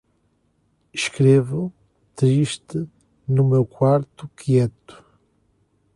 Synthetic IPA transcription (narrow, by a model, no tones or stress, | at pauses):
ʃkɾevu | t̪ɾiʃt̪ɨ | numewkwaɾt̪ukʰjɛt̪u̥